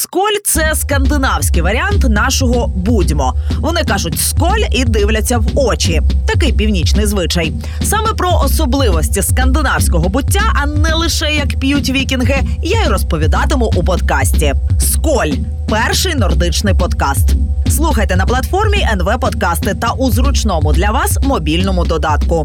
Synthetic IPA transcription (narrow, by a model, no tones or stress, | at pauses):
skɔlʲt̪sɛskɐnd̪ɪnɑwsʲkɪjʋɐɾʲɪɑnt̪nɑʃɔɦɔbudʲmɔʋɔnɪkɑʒʊtʲskɔlʲid̪ɪwlʲɐt͡sʲːɐwɔt͡ʃit̪ɐkɪjpʲiwnʲit͡ʃnɪjzʋɪt͡ʃɐj | sɑmɛpɾɔʔɔsɔblˠɪʋɔsʲtʲiskɐnd̪ɪnɑwsʲkɔɦɔbʊtʲːaʔɐnɛlˠɪʃɛjɐkpʲijutʲʋʲikʲinɦɪjaiɾɔspɔʋʲid̪ɑt̪ɪmʊʔupɔd̪kɑsʲtʲiskɔlʲ | pɛrʃɪjnɔrd̪ɪt͡ʃnɪjpɔd̪kɑst̪slˠuxɐjt̪ɛnɐplˠɐt̪fɔrmʲiʔɛnʋɛpɔt̪kɑst̪ɪt̪ɐʔuzɾʊt͡ʃnɔmʊd̪lʲɐʋɑsmɔbʲilʲnɔmʊd̪ɔd̪ɑt̪kʊ